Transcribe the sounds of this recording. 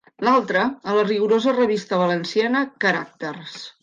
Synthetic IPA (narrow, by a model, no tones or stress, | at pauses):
lalˠt̪ɾəːləriɣuɾozərəβist̪əβ̞ələnsianəkəɾak̚t̪ərs